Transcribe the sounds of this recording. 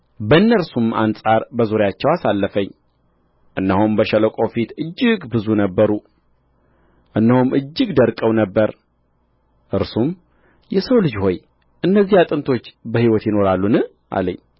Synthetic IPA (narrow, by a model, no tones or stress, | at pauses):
bəɨnːəɾsuma̰nsʼaɾbəzuɾjat͡ʃːɛwasalːəfəɲː | ʔɨnːəhumbəʃələkʷʼofit̪ɨd͡ʒːɨɡbɨzunəbːəɾu | ʔɨnːəhumʔɨd͡ʒːɨɡd̪əɾkʼəwnəbːəɾ | ʔɨɾsum | jɛsəwlɨd͡ʒho̞j | ʔɨnːəzːihat̪ʼɨnt̪ʰo̞t͡ʃːbəhiwɔt̪jɪno̞ɾalːunɨ | ʔa̰lə̰ɲː